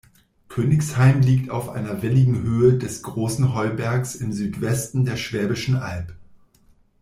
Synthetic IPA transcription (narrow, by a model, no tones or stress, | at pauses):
kʰøːnɪçshaɪmliːktʰa̰ʊfʔa̰ɪnɐvɪlɪɡŋ̩ɦøːədɛsɡ̥ʁoːsn̩ɦɔlbɛɐksɪmzyːtv̥ɛstn̩deːɐʃv̥ɛːbɪʃn̩ʔalp